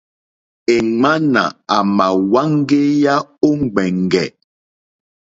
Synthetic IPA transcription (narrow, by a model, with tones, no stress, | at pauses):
e˨ŋŋ͡ma˦na̰˨a˨ma˨wa˦ŋ˦ɡe˦ja˦o˦ŋ˨ɡ͡bɛ˨ŋ˨ɡɛ̰˨